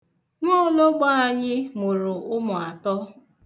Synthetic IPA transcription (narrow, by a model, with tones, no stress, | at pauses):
no˦lo˦ɡ͡ba˦a˨ɲɪ˦mʊ˨ɾʊ˨ʔʊ˦mʊ˨a˨tɔ˦